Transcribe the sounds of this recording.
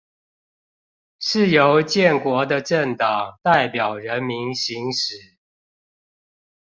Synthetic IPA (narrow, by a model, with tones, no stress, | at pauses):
ʂɻ̩˥˩jo˧˦˥ʊt͡ɕjɛ˥˨˩nkwɔ˧˥d̪ə˨ʈ͡ʂə˥˩ŋt̪ɑ˨˩ŋt̪a˥˩ɪpjɑ˨˩ʊɻə˨˦nmi˧˦nɕi˧˥ŋʂɻ̩˨˩˦